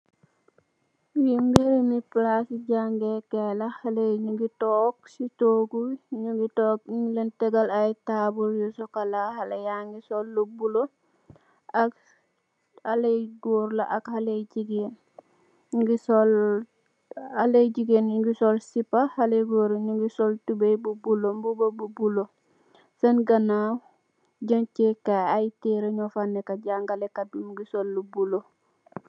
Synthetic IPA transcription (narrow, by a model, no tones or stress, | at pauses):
wimbeɾimiplasiɟaŋɡekelahaleɲuɡitɔːksitoɡuɲuɡitɔk̚iɲlentɛɡalajtabuljosɔkalahalejaŋɡisolːobulo | ak | alejɡoɾla̰ʔakhaleɟiɡen | ɡisol | alejɟiɡenŋɡisolsipahaleɡoːɾɲuŋɡisoltubejbubulombubobubulo | sɐnɡɐna | ɟaɲt͡ʃekaajteɾeɲɔfanːekaɟaŋɡalekadumɡisolːubulo